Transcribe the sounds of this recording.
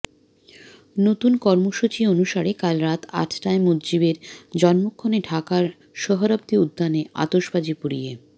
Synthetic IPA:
not̪unkɔɾmoʃut͡ɕionuʃaɾekalɾat̪ʰa̰ʈʰʈaemodd͡ʑibeɾd͡ʑɔnmokʰːoneʈʰakaɾ | ʃɔɦoɾap̚t̪iud̪ːaneʔa̰t̪oʃbad͡ʑipuɾije

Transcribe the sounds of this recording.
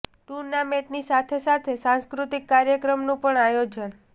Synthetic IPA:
ʈuɾnamẽʈnisat̪ʰesat̪ʰesãnskɾut̪ikːaɾjəkɾəmnũpəɳajod͡ʒən

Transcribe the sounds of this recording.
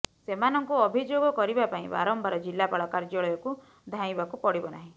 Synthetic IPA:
semanɔŋkuɔbʱid͡ʒoɡɔkɔɾibapaĩba̰ɾɔmbaɾɔd͡ʒilːapaɭɔkaɾd͡ʒɔɭɔjɔku | d̪ʱãĩbakupɔɽibɔnaɦĩ

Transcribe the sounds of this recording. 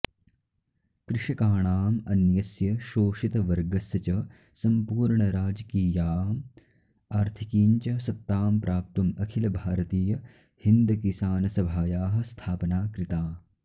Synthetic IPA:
kɾɪʃɐkaːɳaːmɐnjɐsjɐʃoːʃit̪ɐʋɐɾɡɐsjɐt͡ʃɐ | sɐmpuːɾɳɐɾaːd͡ʒɐkiːjaːm | aːɾt̪ʰikiːɲt͡ʃɐsɐt̪ːaːmpɾʔaːp̚t̪umɐkʰilɐbʱaːɾɐt̪iːjɐ | hind̪ɐkisaːnɐsɐbʱaːjaːɦɐ̆st̪ʰaːpɐnaːkɾit̪aː

